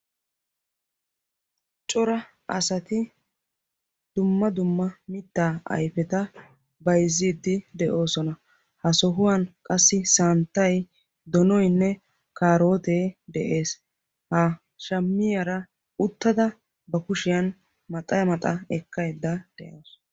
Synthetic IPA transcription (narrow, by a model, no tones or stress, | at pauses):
t͡ʃʼɔɾɐ | ɐsɐt̪ɪ | d̪̥ʊmːɐd̪ʊmːɐmɪt̪ːaːɐ̰jfɛt̪ɐ | bɐjzːiːd̪ːɪd̪ɛʔo̞ːsɔnɐ | hɐsɔɦʊwɐnkʼɐsːɪsant̪ːɐj | d̪ɔnɔjnːɛ | kaːɾo̞ːt̪eːd̪ɛʔe̞ːs | ha | ʃɐmːɪjɐɾɐ | ʊt̪ːɐd̪ɐ | bɐkʊʃɪjɐn | mɐt̪ʼɐjɐmɐt̪ʼɐɛkːɐjd̪ːɐd̪̥ɛʔoːs